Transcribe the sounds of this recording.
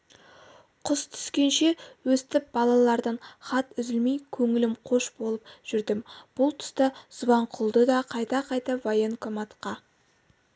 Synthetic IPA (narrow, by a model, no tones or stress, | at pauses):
qʰʊst̪ʰʏ̥skʲe̞nʃe̞wɵst̪ɪp̚b̥ɑlˠɑlˠɑɾd̪əɴχɑt̪ʏzɪlmejkʲʰɵŋɪlɪmqʰo̞ʃbo̞lˠəpʒ̥ʏɾd̪ɪmb̥ʊlˠt̪ʰʏ̥st̪əzʊvɑɴqʰʊlˠd̪əd̪ɑqʰɑjt̪ɑqʰɑjt̪ɑvɑjəŋkʰomɑt̪qɑ